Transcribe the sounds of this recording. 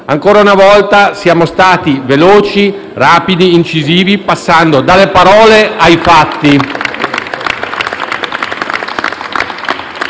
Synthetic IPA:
aŋkoːɾaunavɔlt̪asjaːmost̪aːt̪iveloːt͡ʃi | raːpid̪iːnt͡ʃiziːvipasːand̪od̪alːepaɾɔːleajfat̪ːi

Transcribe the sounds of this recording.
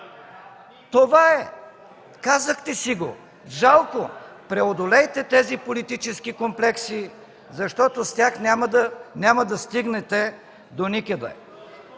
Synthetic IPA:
t̪ovaɛ | kazəxt̪ɛsiɡo̰ | ʒalˠkopɾɛod̪olɛjt̪ɛt̪ɛzipolit̪it͡ʃɛsk̟ikomplɛksi | zɐʃt̪ɔt̪ost̪ʲaxnʲamd̪ənʲamɐd̪ɐst̪iɡnɛt̪ɛ | d̪onikəd̪ɐ̰

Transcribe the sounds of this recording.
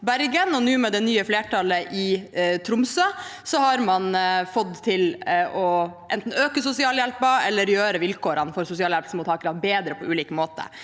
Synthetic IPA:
bæɾɡənɔnʉːmɛd̪ɛnyːəfleːʈʰɑləʔɪt̪ʰɾʊmsɑsɔhɑɾmɑnfɔd̪t̪ʰɪlɔʔɛnt̪n̩øːkəsʊsɪɑːljɛlpɑɛlːəɾjøːɾəʋɪlkʰoːɾənfɔɾsʊsɪɑːljɛlp̪səmʊːt̪ʰːɑːkɾɑnbeːd̪ɾəpʰɔʉːliːkəmoːt̪ə̰

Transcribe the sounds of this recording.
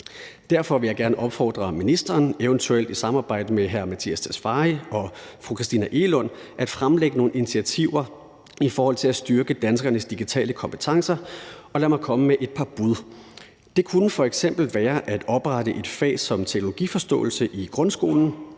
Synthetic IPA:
d̥æɐ̰fɒ̽ʋe̝jɑɪɡ̥æɐnəʔɒ̽b̥fɒ̰ːd̥ʁɐminisd̥ɐːneʊənt͡sʰuel̰d̥isɑ̈mɑ̈ːb̥ɑ̈ɪ̰d̥əmeɦæɐmæt͡sʰḭːæst͡sʰesfɑ̈iɒ̽fʁukʰʁisd̥ḭːnæʔe̝lɔ̽nʔæd̥fʁamleɡ̥əno̝ːn̩init͡sʰiæt͡sʰiʊ̰ɐ | ifɒːhɒ̽l̰t͡sʰe̝læsd̥ɶɐɡ̥əd̥ænsɡ̥ɐnəsd̥iɡ̥it͡sʰɛ̰ːləkʰɒ̽mpʰə̥t͡sʰɑ̈ŋsɐɒ̽læmɑ̈ɪkʰɒ̽məmeʔe̝d̥̚pʰɑ̈b̥uð̞ˠ | d̥e̝kʰunəfɒ̽eɡ̥sem̰b̥l̩ʋæːɐʔæd̥ɒ̽b̥ʁaɾ̥əʔe̝d̥fɛ̰ːsɒ̽mt͡sʰe̝ɡ̥no̝lo̝ɡ̥ḭfɒ̽sd̥ɔ̰̽ːl̩səʔiɡ̥ʁɔ̽nsɡ̥o̝̰ːln̩

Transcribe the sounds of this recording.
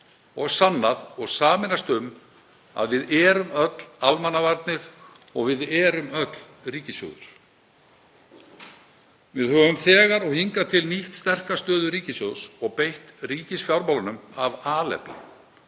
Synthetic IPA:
ɔɣsanːaðɔɣsaːmɪnast̪ʏm | a̰ðvɪðɛːɾʏmœt̪lalmanːavaɾt̪̚nɪɾ̥ | ɔɣvɪðɛːɾʏmœt̪l̥ | riːcɪsjo̰ːɣðʏ̰ɾ̥ | vɪðhœːvʏmθɛːɣaɾɔɣhiŋkat̪ʰɪlniht̪st̪ɛr̥kast̪œːðʏɾiːcɪsjowsɔɣpejht̪riːcɪsfjawɾmawlʏnʏmavaːlɛ̰plɪ̰

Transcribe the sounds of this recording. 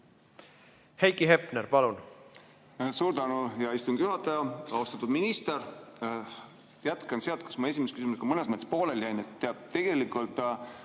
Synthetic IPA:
hejkiɦepneɾpɑlun | suːɾd̪̥ɑnujɑist̪unɡ̥juɦɑt̪ːˑɑjɑɑost̪ɑt̪ːud̪minist̪eɾ | jæt̪kɑnseɑlt̪̚ku̥smɑe̞s̬ʲimeskysimusekɑmɤnesmet̪ːe̥spo̞ːleljæjnet̪ːeɑb̥̚t̪e̞ɡ̥e̞likːˑult̪ːˑ

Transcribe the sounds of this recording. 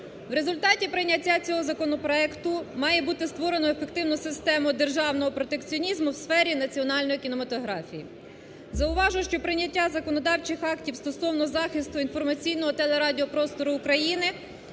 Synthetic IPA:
wɾe̞zʊlʲt̪ɑtʲipɾɪnʲːɐtʲːat͡sʲɔɦɔzɐkɔnɔpɾɔɛkt̪ʊmɑjɛbut̪ɪst̪ʋɔɾenɔefekt̪ɪwnʊsɪst̪ɛmʊd̪erʒɑwnɔɦɔpɾɔt̪ekt͡sʲiɔnʲizmʊwsfɛɾʲinɐt͡sʲiɔnɑlʲnɔjikʲinɔmɐt̪ɔɦɾɑfʲijḭ | zɐʊʋɑʒʊʃt͡ʃɔpɾɪnʲːɐtʲːazɐkɔnɔd̪ɑwt͡ʃɪxɑktʲiwst̪ɔsɔwnɔzɑxɪst̪ʊinfɔrmɐt͡sʲijnɔɦɔt̪ɛlˠeɾɑdʲiɔpɾɔst̪ɔɾʊːkɾɐjinɪ

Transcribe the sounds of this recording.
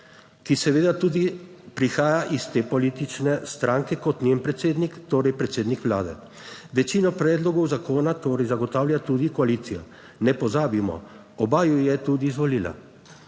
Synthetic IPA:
kisɛʋeːd̪at̪uːd̪ipɾixaːjaʔist̪eːpɔlit̪it͡ʃnɛst̪ɾaːŋkɛkɔt̪nempɾɛt̪seːd̪nikt̪oːɾɛjpɾɛt̪seːd̪nikʋlaːd̪ɛ̰ | ʋɛt͡ʃiːnɔpɾɛːd̪lɔɡɔwzakoːnat̪oːɾɛjzaɡɔt̪aːwljat̪ud̪ikɔalit̪sija | nɛpɔzaːbimɔ̰ | ɔbaːjujɛt̪ud̪iːzʋɔliːla̰

